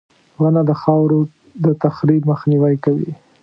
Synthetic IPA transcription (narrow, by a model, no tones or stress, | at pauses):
ɣanad̪əxɑwɾo | d̪ət̪axɾib̚məxniwajkawḭ